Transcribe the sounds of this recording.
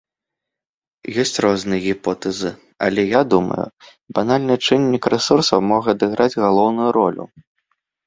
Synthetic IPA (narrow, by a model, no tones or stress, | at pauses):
jɔsʲt͡sʲrɔznɨjɐɣʲipɔt̪ɛzɨ | a̰lʲɛjad̪umɐ̰jṵ | b̥analʲnɨt͡ʂɨnʲːikrɛsursɐwmɔɣɐːd̪ɨɣɾʔad͡zʲɣalˠɔwnujuɾɔlʲṵ